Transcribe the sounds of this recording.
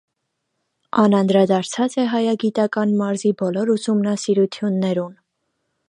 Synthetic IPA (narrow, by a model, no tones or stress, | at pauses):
ɑnɑnd̪ɾɑd̪ɑɾt͡sʰɑt͡sɛɦɑjɑɡit̪ɑkɑnmɑɾzibɔlɔɾusumnɑsiɾut̪ʰjunːɛɾun